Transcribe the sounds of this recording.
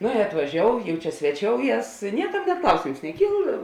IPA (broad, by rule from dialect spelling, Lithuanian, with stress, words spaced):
ˈnoː ɪ ɐtʋɐˈʒʲoːʊ jɛʊ ˈt͡ʃʲɛ sʲʋʲɛˈt͡ʃʲoːʊˌjɛs ˈnʲiɛkɐm nʲeː ˈklˠɐʊsʲeːms nʲɛˈkʲiːlˠ